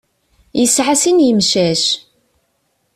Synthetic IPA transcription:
jəsʕasinjəmʃæʃ

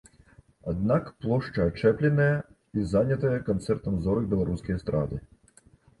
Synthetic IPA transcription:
ad̪nakplˠɔʂt͡ʂɐat͡ʂɛplʲɪnɐjɐ | izanʲɐt̪ɐjɐkant̪sɛrt̪ɐmzɔɾɨɣbʲɛlˠaɾuskʲijɐst̪ɾa̰d̪ɨ

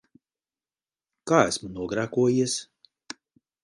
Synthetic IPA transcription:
kaːæsmunuɔɡɾakuɔjiɛs

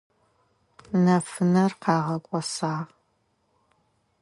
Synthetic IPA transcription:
nɐfɨnɐrqɑːʁɐkʷʼɔsaːʁ

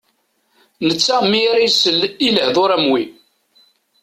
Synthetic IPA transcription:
nət͡sːamːiɾisəliləhðoɾæmwi

